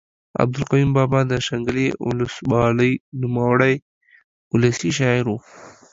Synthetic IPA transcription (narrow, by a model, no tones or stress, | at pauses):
a̰b̚d̪ʊlqajumbɑbɑd̪əʃaŋɡəliʊ̰lʊswɑləjnʊməwaɽaj | ʊlasiʃ̬ɑɪɾu